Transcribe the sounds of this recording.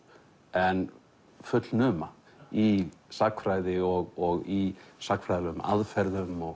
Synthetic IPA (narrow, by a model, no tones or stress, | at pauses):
ɛn | fʏt̪lnʏːma | isakfɾaːjðɪɔɣɔɣisakfɾajðanʏːma̰ʔaðfɛɾðœvmɔɣ